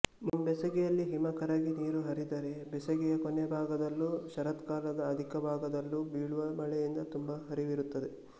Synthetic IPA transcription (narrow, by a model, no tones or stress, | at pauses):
nɐmbɛsɐɡɛjɐlːiɦimɐkɐɾaːɡiniːɾuɦɐɾid̪ɐɾe̞bɛsɐɡɛjɐkonebʱaːɡɐd̪ɐlːuʃɐɾɐt̪kaːɾlɐd̪ɐːd̪ʱikɐbʱaːɡɐd̪ɐlːubiːɭuʋɐmɐɭɛjind̪ɐt̪umbɐɦɐɾiʋiɾut̪ːɐd̪e